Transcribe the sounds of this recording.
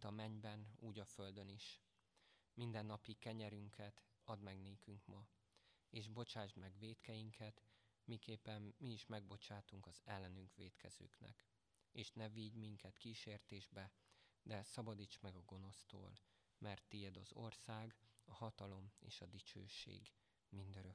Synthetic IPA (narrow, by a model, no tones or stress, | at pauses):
t̪ɒmɛɲbɛnuːɟɒføld̪ø̞niʃ | mind̪ɛnːɒpikɛɲɛɾyŋkʰɛt̪ | ɒd̪mɛɡneːkyŋkmɒ | eːʒbo̞t͡ʃaːʒd̪mɛɡʋeːt̪kɛjiŋkʰɛt̪mikeːpːɛmːiːʃmɛɡ̚bo̞t͡ʃaːt̪uŋkɒzɛlːɛnyŋkʋeːt̪kʰɛ̰zø̰ːknɛ̰k | eːʃnɛviɟmiŋkɛt̪kiːʃeːrt̪eːʒbɛd̪ɛsɒbɒd̪iːt͡ʃmɛɡɒɡo̞no̞st̪o̰ːl | mʔɛrt̪ːijɛd̪ɒzo̞̰rsaːɡɒhɒt̪ɒlo̞mḛːʃɒd̪it͡ʃø̰ːʃḛːɡ | mind̪øɾø